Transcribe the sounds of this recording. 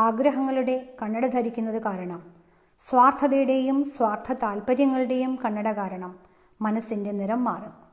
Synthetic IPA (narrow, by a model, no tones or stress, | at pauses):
aːɡɾɐɦɐŋːɐɭuɽe̞kɐɳːɐɽɐd̪ʱɐɾikʲːunːɐðɨkaːɾɐɳɐm | swaːrt̪ʰɐðɐjuɽe̞jumswaːrt̪ʰːɐt̪aːlpɐɾjɐŋːɐɭuɽe̞jumkɐɳːɐɽɐkaːɾɐɳɐmː | ɐnɐsinde̞niɾɐmːaːrɨm